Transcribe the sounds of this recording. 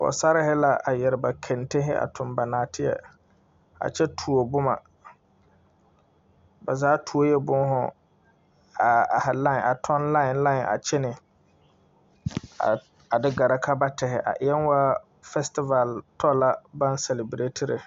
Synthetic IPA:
ɔ̰˨sa˦ɾɪ˦hɪ˦la˦a˨jɛ˨ɾɪ˨ba˨kʰɛ˨nte˦ɦɪ˦ʔa̰˨tʰʊ˨mba˨naː˨tʰɪ˦jɛ̰˨ | a̰˨t͡ʃɛ˦tʰu˨o˨bʊ˦ma̰˨ | ba˨zaː˦tʰu˨o˦jɛ˦bʊ˦n˦ɦʊ̰˨ | a˨ha˨lã˦˨ʔa˨tʰɔ˦nla˦ɪ˨nla˦ɪ˨nʔa̰˨t͡ʃɛ˦nɪ˨ | a˨ | a˨dɪ˦ɡa˨ɾa˨kʰa˦ba˦tɛ˨hɪ̰˨ʔa̰˨ʔɪ˨jɛ˦nwa˦ | fɛ˦stɪ˦va˨ltʰɔ˦la˦ba˦nsɛ˨lɪ˨bɾe˦tʰɪ˦ɾɪ̰˨

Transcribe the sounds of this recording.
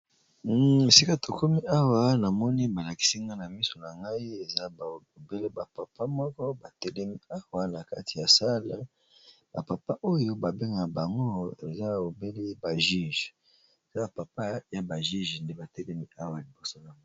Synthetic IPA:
e˨si˦ka˦tʰo˨ko˦mi˦a˦wa˦na˨mɔ˦ni˦ba˨la˨ki̥˦si˦ŋɡa˦na˨mi˦so˨na˨ŋɡa˦i˦e˨za˦˨o˨be˦le˦ba˨pa˨pʰa˦mɔ˦kɔ˦ba˨tɛ˦le˦mi˦a˦wa˦na˨ka̰˦ti̥˨ja˨sa˦la˦ | ba˨pa˨pa˦ʔo˦jo˦ba˨be˦ŋɡa˨ba˨ŋɡo˦e˨za˦o˨be˦le˦ba˨ʒi˦˨ʒ | e˨za˦ba˨pa˨pa˦ja˦ba˨ʒi˦ʒnde˦ba˨tɛ˦le˦mi˦a˦wa˨li˨bo˦so˦na˨ŋa˦

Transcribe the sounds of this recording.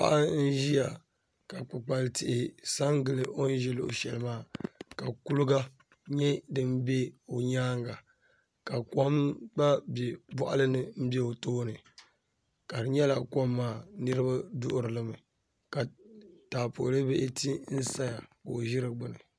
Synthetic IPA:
pa̰˦ʔa˦n̩˦ʒi˦ja˨ | ka˨k͡pɨ˨k͡pa˨lɨ˦tɪ˨ʔɪ˨sa˦ŋɡɨ˨lɨ˨ʔo˦n˦ʒɛ˦lɨ˦˨o̰˨ʃɛ˨lɨ˨maː˦˨ka˨ku˦lʊ˦ɡa˦ | ɲɛ˦dɨ˦m˦bɛ˦o˨ɲaː˦ŋɡa˨ | ka˨ka˦mba˦bɛ˨bɔ˦ʔa˦lɨ˦nɨ˨m̩˦bɛ˦o˨toː˦nɨ˨ | ka˨dɨ˨ɲɛ˦la˨ko˦mːaː˦˨nɨ˦ɾɨ˦ba˦dʊ˦ʔʊ˦˨ɾɨ˨lɨ˦mɨ˨ | ka˨taː˨po̰˨ʔlɨ˦be˦ʔɪ˦ti˦n̩˦sa˦ja˨ko˨ʒɪ˦ɾɨ˨ɡ͡bʊ˨nɨ˨

